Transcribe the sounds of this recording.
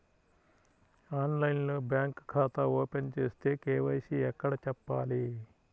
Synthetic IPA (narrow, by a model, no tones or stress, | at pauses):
aːnlɐjnlo̞ːbjaːŋkkʰːaːt̪ɐoːpent͡ʃeːst̪e̞ːkeːʋɐjsiɛkːɐɽɐt͡ʃɛpːaːli